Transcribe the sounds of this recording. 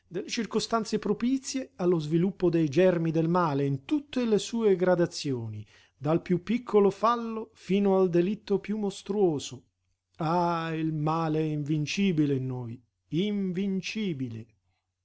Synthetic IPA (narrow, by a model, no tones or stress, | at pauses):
d̪elːet͡ʃirkost̪ant̪sepɾopit̪sːjealːozvilupːod̪ejd͡ʒɛrmid̪elmaːleint̪ut̪ːelesuːeɡɾad̪at̪sːjoːni | d̪alpjupːikʰːolofalːofiːnoald̪elit̪ːopjumːost̪ɾuoːzo | ailmaːleɛiɱvint͡ʃiːbilenːoːj | iɱvint͡ʃiːbile